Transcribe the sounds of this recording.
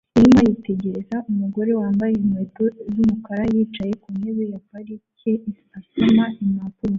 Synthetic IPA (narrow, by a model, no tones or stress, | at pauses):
iɾimajite̞ɟe̞ɾezaʔumuɡo̞ɾe̞waːmbajemwetozumukaɾajiːt͡ʃaje̞kuneβejakaɾiecei | asamaimapuɾo